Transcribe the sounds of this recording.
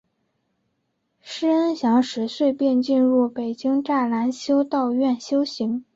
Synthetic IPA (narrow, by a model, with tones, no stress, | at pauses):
ʂɻ̩˥ə˥nɕjɑ˧˥ŋʂɻ̩˧˥swe˥˧ɪpjɛ˥˧nt͡ɕi˥˧nɻu˥˩pe˨˩ɪt͡ɕi˥ŋʈ͡ʂa˥˩la˧˥nɕjo˥ʊt̪ɑ˥˧ʊɥɛ˥˩nɕjo˥ʊɕi˧˥ŋ